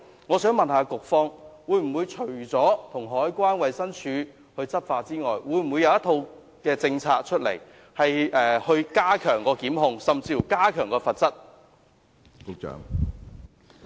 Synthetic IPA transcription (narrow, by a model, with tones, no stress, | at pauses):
ŋɔː˨˧sœː˨˥ŋmɐ˨nhaː˨˧kʊ˨k̚fɔː˥ŋwuː˨˧jm̩˨˩wuː˨˧jt͡ʃʰɵ˨˩ɥt͡sɔː˨˥t̪ʰʊ˨˩ŋɦɔː˨˥jkʷaː˥nwɐ˨jsɐ˥nt͡ʃʰyː˨˧ | hɵ˧ɥt͡sɐ˥t̚faː˧t͡siː˥ŋɔː˨jwuː˨˧jm̩˨˩wuː˨˧jɐ˧wjɐ˥t̪ʰo˧w | kɛː˧t͡sɪ˧ŋt͡sʰaː˧k̚t͡ʃʰɵ˥t̚lḛ˨˩j | hɐ˨jɛː˨hɵ˧ɥkaː˥kʰœː˨˩ŋkɔː˧kiː˨˥mɦʊ˧ŋsɐ˨mt͡siː˧fu˨˩kaː˥kʰœː˨˩ŋkɔː˧fɐ˨t̚t͡sɐ˥t̚ | kʊ˨˧k̚t͡ʃœ̰ː˨˥ŋ